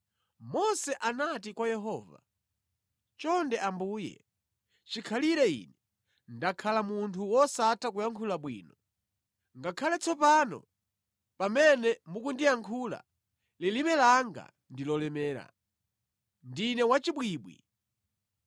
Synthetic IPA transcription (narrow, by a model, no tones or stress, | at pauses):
mɔsɛʔanatikwajɛɦɔːva̰ | t͡ʃɔndɛʔambuːjɛ̰ | t͡ʃikʰaliɾɛḭnɛ | ndakʰalamuntʰuwɔsatʰak̬ujaŋkʰulaɓwiːnɔ | ŋɡakʰalɛt͡sʰɔpanɔ̰ | pamɛnɛmuk̬undijaŋkʰula̰ | lilimɛlaŋɡa̰ | ndilɔlɛmɛːɾa̰ | ndinɛwat͡ʃiɓwiːɓwḭ